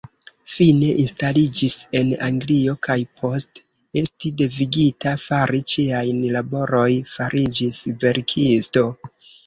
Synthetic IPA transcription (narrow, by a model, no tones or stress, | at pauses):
fine̞ʔinstalid͡ʒise̞naŋɡlio̞kajpʰo̞st | e̞stide̞viɡitafaɾit͡ʃiajnlabo̞ɾo̞jfaɾʔid͡ʒisve̞ɾkʰisto̞